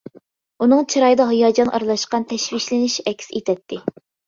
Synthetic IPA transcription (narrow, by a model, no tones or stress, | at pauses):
unɨŋt͡ʃʰiɾɑjɨd̪ɑɦɨjɑːd͡ʒɑnʔɑ̰ɾlˠɑʃqɑnt̪ʰɛʃwiʃlɪnɪʃɛkʲset̪ʰɛt̪ʰːɪ